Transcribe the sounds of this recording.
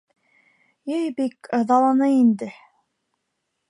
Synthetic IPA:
jejbikɑðɑlˠɑnɤind̪ɘ

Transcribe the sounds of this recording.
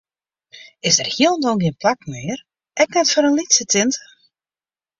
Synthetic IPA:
ɪsdərhjiəlˠndɔɡiənplak̚mɪːər | ɛknɛtfɔɾənlitsətʰɪntə̥

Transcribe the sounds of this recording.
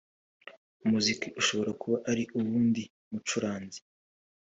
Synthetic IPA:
umuzikiʔuʃo̞βo̞ɾakʰuβaʔaɾiʔuβuːndi | mut͡ʃuɾaːnzi̥

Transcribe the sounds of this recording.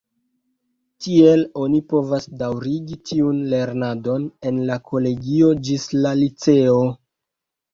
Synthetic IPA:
tie̞lo̞nipo̞vasdawɾiɡitʰiunle̞ɾnado̞ne̞nlakʰo̞le̞ɡio̞d͡ʒislalit͡se̞o̞

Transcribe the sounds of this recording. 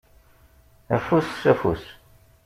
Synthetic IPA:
æfusːæfṵs

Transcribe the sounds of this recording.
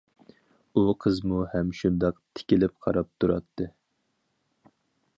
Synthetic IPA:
uqʰəzmuhɛmʃund̪ɑqt̪ʰɪ̥kʲilɪp̚qʰɑ̰ɾɑp̚t̪ʰuɾɑ̰t̪ʰːɨ

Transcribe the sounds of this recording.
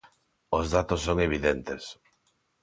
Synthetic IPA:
ozðat̪osːoŋeβ̞iðent̪es

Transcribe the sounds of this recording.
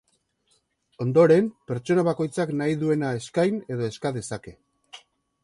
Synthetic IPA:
o̞nd̪o̞ɾe̞mpe̞ɾt͡ʃo̞naβako̞jt͡saknajðue̞nae̞skajne̞ðo̞e̞skaðe̞sake̞

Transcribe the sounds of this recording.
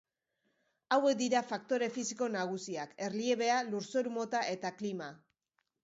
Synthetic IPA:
awe̞k̚d̪iɾafak̚t̪o̞ɾe̞fisiko̞naɣ̞usiake̞rlie̞βe̞aluɾso̞ɾumo̞t̪aʔe̞t̪aklima

